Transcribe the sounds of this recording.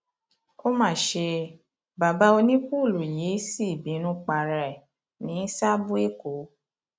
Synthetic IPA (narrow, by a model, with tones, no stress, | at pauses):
o˦mãː˦˨ʃe˧ | ba˨ba˦o˧nĩ˦ku˦˨lu˨je˨˦si˦i˦˨bĩ˨˦nũ˧k͡pa˧˨ɾɛ˨ | nĩ˨˦sa˦bu˦e˦˨ko˨˦